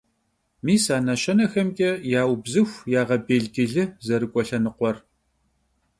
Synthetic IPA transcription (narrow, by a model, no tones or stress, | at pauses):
miːsaːnɐɕɐnɐxɐmkʲʼɛjaːwbzɨxʷjaːʁɐbeːɮɡʲɪɮɨzɐɾɨkʷʼɔɬɐnɨqʷɔr